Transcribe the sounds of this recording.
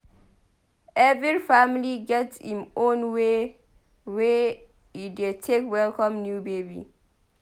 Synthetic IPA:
ʔɛviifamliɡɛtsĩmõnwe | we | idetʰekwɛlkɔ̃mnjubebḭ

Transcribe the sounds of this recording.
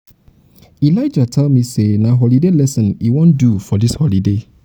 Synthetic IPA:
ilaɪd͡ʒatʰɛlmĩsenaɦɔlidelɛsɔ̃niwõndufɔdishɔlide

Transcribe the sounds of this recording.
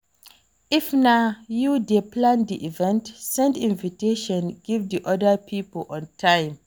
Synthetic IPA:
ifnajudeplãndiʔivɛ̃ntsɛ̃ndĩnviteʃɔ̃nɡ̥ivdiʔɔdəpʰipəlʔɔ̃ntʰãj̃m

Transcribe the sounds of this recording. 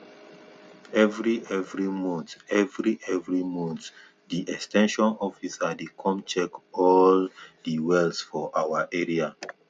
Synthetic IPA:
ɛvɹiʔɛvɹimɔ̃ntɛvɹiʔɛvɹimɔ̃nt | diʔɛkstɛ̃nʃɔ̃nɔfisadekʰɔ̃mt͡ʃɛkɔldiwɛlsfɔʔawaʔɛɹia

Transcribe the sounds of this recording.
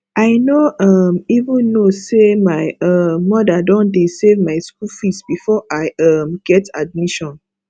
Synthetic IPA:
ʔaɪnoʌmivũnːosemaɪʌmːɔdadɔ̃ndesevmaɪskulfistb̥ifɔʔaɪʌmɡ̥ɛtʰad̚miʃɔ̃n

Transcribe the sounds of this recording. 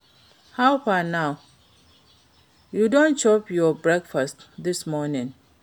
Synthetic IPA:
haʊpanaʊ | judɔ̃nt͡ʃɔpjɔbɹɛkfastdɪsmɔnĩn

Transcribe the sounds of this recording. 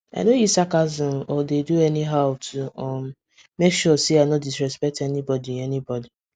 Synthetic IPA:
a̰nojisakazɔ̃nɔdeduɛniɦaʊtʰuɔm | mekʃɔseaɪnɔdisɹɛspɛk̚tɛnibɔdiɛnibɔdi

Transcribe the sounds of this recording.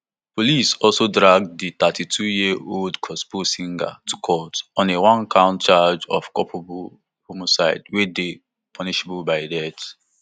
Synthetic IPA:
polisɔlsodɹaɡ̚dit̪atʰitʰujiʔoldkʰɔsposĩŋɡa̰tʰu̥kʰɔtɔ̃newãnkʰãʊ̃ntt͡ʃad͡ʒɔ̰fkɔpʰobu | homosaɪdwede | pʰɔniʃebubaɪdɛt

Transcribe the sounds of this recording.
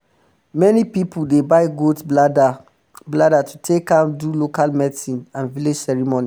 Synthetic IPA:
mɛnipipʰuldebaɪɡotd | bladatutʰekãdulokalmɛdsĩnãnviled͡ʒsɛɹimoni

